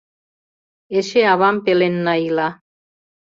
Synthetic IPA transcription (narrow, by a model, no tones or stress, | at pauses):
eʃeaβampelenːailɑ